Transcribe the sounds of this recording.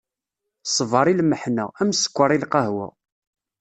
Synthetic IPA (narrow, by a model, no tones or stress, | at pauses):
sˤvɑɾˤilməħnææmsə̥kʷːəɾˤilqɑhwæ̰